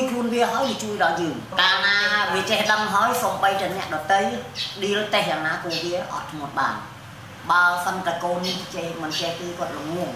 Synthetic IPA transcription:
jkʰluənʋiəɦaəjʋiət͡ɕuəjɗɑljəːŋ | kaːlnaːʔaʋiət͡ɕɛhɗəŋɦaəjsoːmɓəjt̪aɛnɛ̆əʔɗɑt̪ɨjɗiəlt̪ehɦʔanaːkoəʋiəʔɑ̰t̪ːʰmʊ̆ət̪̚ɓa̰ːn | ɓaəsənt̪akoːnːiht͡ɕemɨnt͡ɕehkeːkŏət̪̚luŋmŭə

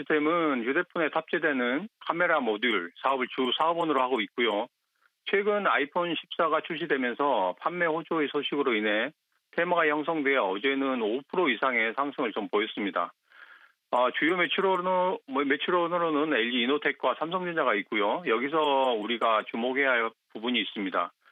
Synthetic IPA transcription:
istʰe̞mɯnjude̞pʰune̞tʰap̚t͡ɕ͈edwe̞nɯnkʰame̞ɾamoduɭsʰaʌbɯɭt͡ɕusʰaʌbonɯɾohaɡoit̚k͈ujo | t͡ɕʰwe̞ɡɯnaipʰonɕʰi̥p̚s͈aɡat͡ɕʰuɭɕ̬͈ʰidwe̞mjʌnsʰʌpʰamːe̞ɸod͡ʑoesʰoɕʰiɡɯɾoinɦe̞ | tʰe̞maɡajʌŋs̬ʰʌŋdweaʌd͡ʑe̞nɯnopʰɯɾoisʰaŋe̞sʰaŋsʰɯŋɯɭt͡ɕompoʌs͈ɯmɲida̰ | ʌt͡ɕujomet͡ɕʰuɾo | me̞t͡ɕʰuɾonɯɾonɯne̞ʎːiːnotʰe̞k̚k͈wasʰamsʰʌŋd͡ʑiɲd͡ʑaɡait̚k͈ujojʌɡis̬ʰʌuɾiɡat͡ɕumoɡe̞ɦaɭpubuɲiːs͈ɯmɲida̰

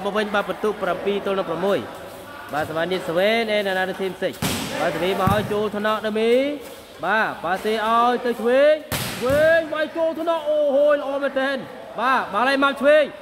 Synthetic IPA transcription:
ɓɔʋɨɲɓaːpət̪uːʔprampiːt̪olnɔpramːuəj | ɓaːsaʋaːniət̪̚səʋɛːnʔɛːnɛnaːɗ̪ɨwt̪ʰiːmpʰseɲ̚ɓaːsaliːmaɦajt͡ɕoːlt̪ʰnɑʔɗameː | ɓaːɓaːseːʔaɔjt̪ɨwt͡ɕʰʋeːjt͡ɕʰʋeːjʋajt͡ɕoːlt̪ʰnɑʔoːɦoːjləʔɔːmɛːnt̪ɛːn | ɓaːɓaːlajmap̚t͡ɕʰʋeːj

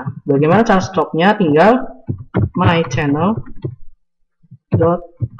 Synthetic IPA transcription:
baɡajmanat͡ʃaɾast̪ɔk̚ɲat̪iŋɡal | məait͡ʃɛnəl | dɔt̪̚

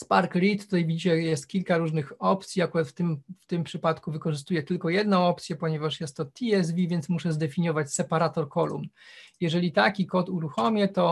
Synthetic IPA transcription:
spaɾkɾʲit̪ːut̪ajvʲid͡ʑit͡ɕɛjɛst̪̚kʲilkaɾuʐnɘxɔpt̪sʲjiakuɾat̪ft̪ɘmft̪ɘmpʂɘpat̪kuvɘkɔʐɘst̪ujɛt̪ɘlkɔjɛd̪nɔ̃w̃ɔpt̪sʲjɛpɔɲɛvaʂjɛst̪ːɔt̪ʲʰiɛz̬vʲivʲjɛnt̪smuʂɛzd̪ɛfʲiɲjɔvat͡ɕsɛpaɾat̪ɔɾkɔlṵm | jɛʐɛlʲit̪akʲikɔt̪uɾuxɔmʲjɛt̪ɔ

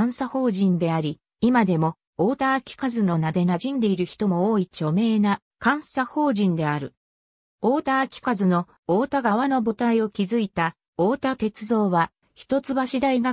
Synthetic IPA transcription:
ãɰ̃saho̞ːʑĩnd̪e̞aɾʲi | imad̪e̞mo̞ | oːt̪aːkʲi̥kazɨno̞nad̪e̞naʑĩnd̪e̞iɾɯ̟çi̥t̪o̞mo̞oːit͡ɕo̞me̞ːna | kãɰ̃saho̞ːʑĩnd̪e̞aɾɯ̟ | oːt̪akʲi̥kazɨno̞ | oːt̪aɡaβano̞bo̞t̪aio̞kʲizɨit̪a | o̞ːt̪at̪e̞t͡sɨzo̞ːβa | çi̥t̪o̞t͡sɨbaɕid̪aiɡa

